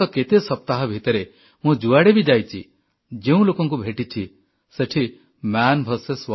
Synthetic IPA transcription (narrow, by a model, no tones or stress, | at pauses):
ɔket̪esɔp̚t̪aɦɔbʱit̪ɔɾe | mũd͡ʒuaɽebid͡ʒajt͡ʃʰḭ | d͡ʒeũlokɔŋkubʱeʈit͡ʃʰi | seʈʰi | manbʱɔseswɔ